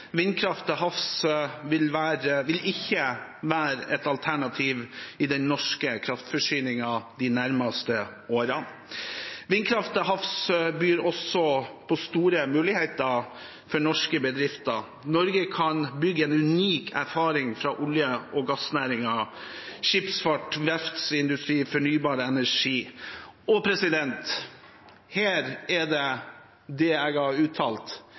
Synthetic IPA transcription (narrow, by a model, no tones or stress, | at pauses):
ʋɪnːkʰɾɑft̪əhɑfsʋɪlʋæːɾəʋɪlʔɪçːəʋæːɾɛt̪ɑlt̪ʰæɳɑt̪ʰiːʋɪd̪ɛnnɔʂkəkʰɾɑft̪fɔʂyːnɪŋɑd̪ɪnæɾmɑst̪əoːɾɑ | ʋɪnkʰɾɑft̪əɦɑfsbyːɾɔsɔpʰɔst̪uːɾəmʉːlɪheɪt̪ə | fɔɳɔʂkəbəd̪ɾɪft̪ə | nɔɾɡəkʰɑnbʏɡːəɛnʉniːkʰæ̰ɾfɑːɾɪŋfɾɑʔʊljəʔɔɡɑsnæːɾɪŋɑʃɪpsfɑʈʋɛft̪sɪnd̪ʉst̪ɾiːfɔɳyːbɑːɾəɛnæʂiːɔpʰɾɛsɪd̪ɛnt̪ | hæːɾɛɖɛ | d̪ɛɛɡɑɾʉːt̪ʰɑːlt̪